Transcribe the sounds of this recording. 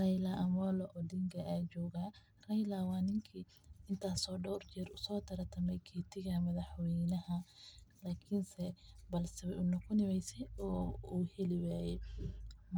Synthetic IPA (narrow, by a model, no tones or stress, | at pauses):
rɐjlɐʔɐmɔlɔʔɔːɖɪŋɡɐaːt͡ʃɔːɣa | rɐjlɐwɑːnɪŋkʰiː | ɪnt̪ʰaːsɔːɖɔwrt͡ʃɛrʊsɔːt̪ʰɐɾɐt̪ʰɐmɛjkʰɛːt̪ʰɪɣɐmɐðɐħwɛjnɐɦɐlaːkʰɪnsɛbɐlsɐβɛʔʊnɐkʰʊnɪmɛjsɛjɔːuːhɛlɪwaːjɛ